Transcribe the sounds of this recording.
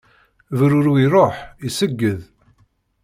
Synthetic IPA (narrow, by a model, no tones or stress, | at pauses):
vɾuɾiɾˤoħisəɡːəð